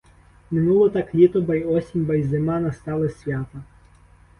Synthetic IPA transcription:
mɪnulˠɔt̪ɑklʲit̪ɔbɐjɔsʲimʲbɐj̪ʲzemɑnɐst̪ɑlˠesʲʋʲat̪ɐ

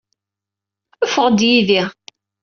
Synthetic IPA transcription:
əfəʁd̪jiðiʁ

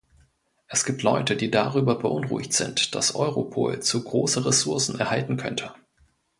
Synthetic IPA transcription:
ʔɛsɡ̥iːp̚tʰlɔʏtədiːdaʁ̞yːbɐbəʔʊnʁṵːɪçtz̥ɪ̰ntd̥a̰sʔɔ̰ʏʁopʰo̰ːlt͡suɡʁoːsəʁesʊɐsn̩ɛɐhaltn̩kʰœntʰə

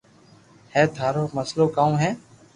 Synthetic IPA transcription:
hɛːd̪ʱaːɾoːməsloːkaːũːɦɛ̃ː

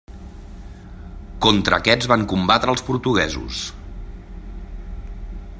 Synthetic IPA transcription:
kɔnt̪ɾə̰ːkɛd͡zβaŋkumbat̪ɾəːlˠspuɾt̪uɣɛzṵs

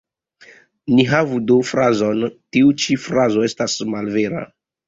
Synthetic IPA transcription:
niɦavudofɾazo̞ntiut͡ʃifɾazo̞e̞stasmalveɾa̰

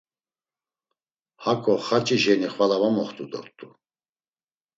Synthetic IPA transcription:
hakʼɔχat͡ʃʼiʒɛniχvalavamɔχt̪ʼud̪ɔ̰ɾt̪ʼu

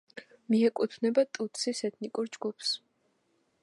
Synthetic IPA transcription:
miɛkʼut̪ʰnɛbat̪ʼut̪sisɛt̪ʰnikʼuɾd͡ʒɡupʰs

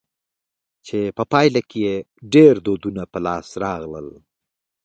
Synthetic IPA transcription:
t͡ʃepəpɑjlakʰeje | ɖeɾd̪od̪unapəlɑsɾɑɣlə̰l

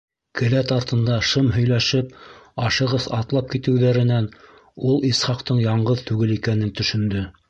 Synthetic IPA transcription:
kɘ̆læt̪ɑɾt̪ɤ̆nd̪ɑʃɤmɦɵ̆jlæʃɘpɑʃɤ̆ʁɤðɑt̪lˠɑp̚kit̪ɘ̆wðæɾɘ̆næn | ulˠisχɑqt̪ɤɴjɑɴɢɤðt̪ʉɡɘlikænɘnt̪ɵ̆ʃɵ̆nd̪ɵ

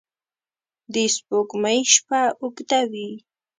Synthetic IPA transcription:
d̪isbʊkmajʃpaʊkd̪awi

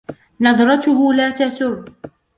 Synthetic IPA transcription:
nɑðˤɾˤɑt̪ʊɦʊlaːt̪asʊr

